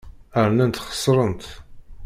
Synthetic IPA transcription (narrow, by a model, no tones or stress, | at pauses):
əɾnænt̪χə̥sˤːɾˤənt̪